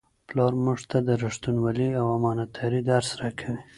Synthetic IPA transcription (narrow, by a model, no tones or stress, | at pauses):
plɑɾmuʐt̪ad̪əɾaʂt̪unwaliawamɑnat̪ʰaɾid̪aɾsɾakʰawi